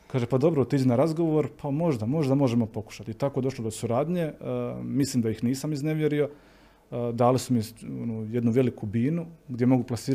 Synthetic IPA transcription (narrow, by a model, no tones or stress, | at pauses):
kaːʒepad̪o̞bɾout̪id͡ʒenaɾazɡo̞ʋoɾpʰamo̞ʒd̪amo̞ʒd̪amoʒe̞mo̞po̞ku̥ʃat̪it̪ako̞ed̪o̞ʃlo̞d̪o̞suɾaːd̪ɲe̞mislˠimd̪ajixniːsamizne̞ʋje̞ɾio̞ | d̪aːlisumionuje̞d̪nuʋe̞likubiːnuɡd̪je̞mo̞ɡuplˠasiːɾ